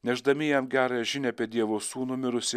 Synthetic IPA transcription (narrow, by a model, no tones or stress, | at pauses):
nʲɛʒd̪ɐmʲɪjɛmɡʲæːɾɑjɛʒʲɪnʲɛɐpʲɛd̪ʲiɛʋoːsuːnʊmʲɪɾʊsʲɪ